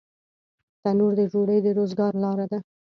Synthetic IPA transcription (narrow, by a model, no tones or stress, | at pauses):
t̪anuɾd̪əd͡ʒoɽəjd̪əɾozɡɑɾlɑɾad̪a